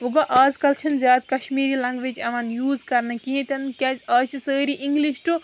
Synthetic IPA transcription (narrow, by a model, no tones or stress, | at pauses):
ʋuɡɐʔaːzkɐlt͡ʃʰɐnzʲaːd̪̚kɐʃmiːɾilɐ̃ŋɡʋit͡ʃɐmanjuːzkɐɾnɐkiɦẽt̪ɐnkʲaːzɐːt͡ʃisəːɾiʔiŋɡliʃʈu